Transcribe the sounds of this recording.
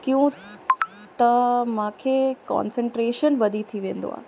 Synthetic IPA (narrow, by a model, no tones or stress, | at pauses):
kijũ | t̪ɐmãkʰekɔ̰ːnsəɳʈɾeːʃənʋɐd̪ʱit̪ʰiʋẽːnd̪o̰a̰ː